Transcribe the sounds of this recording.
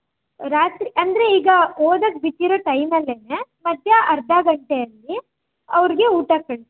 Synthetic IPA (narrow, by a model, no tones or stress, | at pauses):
ɾaːt̪ɾiʔɐnd̪ɐɾe̞iːɡɐoːd̪ɐk̚bit̪ːiɾoːʈɐjmɐlːeːnemɐd̪ʱjɐʔɐɾd̪ʱaɡɐɳʈejɐlːi | ɐʋɾiɡe̞uːʈakɐɭ